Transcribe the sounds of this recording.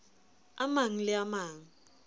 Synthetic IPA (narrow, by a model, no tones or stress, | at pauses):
amaŋilɛamaːŋ̩